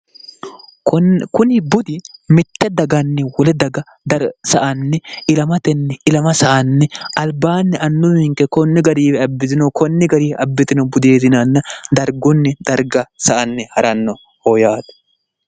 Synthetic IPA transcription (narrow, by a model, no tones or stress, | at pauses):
kʊnɪbʊd̪ɪmɪt̪ːɛd̪ɐɡɐnːɛwɔlɛd̪ɐɡɐ | d̪ɐsɐʔɐnːɛɪlɐmɐt̪ɛnːɛɪlɐmɐsɐʔɐnːɛɐlbaːnːɛʔɐnːʊmɪŋkɛkɔnːɪɡɐɾiːwɛɐbːɪt̪ɪnɐkɔnːɪɡɐɾiːʔɐbːɪt̪ɪnɐbʊd̪eːd̪ɪnɐnːɐd̪ɐɾɡɔnːɛd̪̥ɐɾɡɐsɐʔɐnːɛhɐɾɐnːɔ | hɔjaːd̪ɐ̥